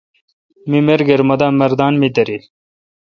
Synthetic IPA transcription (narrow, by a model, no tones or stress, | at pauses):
mimeɾɡeɾmɐd̪amɐɾd̪aːnmid̪ɐɾil